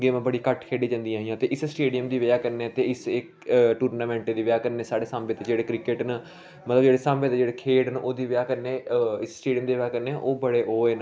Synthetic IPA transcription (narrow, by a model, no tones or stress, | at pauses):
ɡeːmãːbəɽiːkəʈkʰeːɖiːd͡ʒãːnd̪iãːɦĩjãːt̪eːʔɪssʈeːɖijəmd̪iːʋɪaːkəɾneːt̪eːɪsɪk | ʈuːɾnaːmɛ̃ːɳʈed̪iːʋjaːkəɾneːsaːɽeːsãːmbeːt̪ed͡ʒeːɽeːkɾɪkeʈnə | mət̪ləbd͡ʒeːɽeːsãːmbeːt̪eːd͡ʒeːɽeːkʰeːɖnʔoːd̪iːʋɪjaːkəɾneːɪssʈeːɖijəmd̪iːʋjaːkəɾneʔoːbəɽeːʔoːeːn